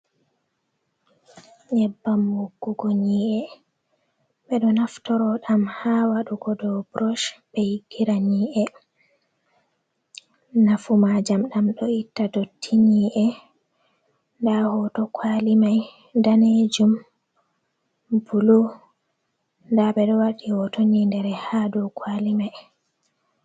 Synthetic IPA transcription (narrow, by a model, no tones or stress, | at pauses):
ɲɛbːamːuɡːuɡɔɲiːʔɛ | ɓɛɗɔnaftɔɾɔɗamhawaɗuɡɔdɔbɾɔʃbɛjɡiɾaɲiːʔɛ | nafumad͡ʒamɗamɗɔitːadotʰːiniʔɛ | ndahɔtɔkʰwalimaj | daned͡ʒum | bulo | ndaɓɛɗɔwaɗihɔtonindɛɾɛhadɔkʰwalimaj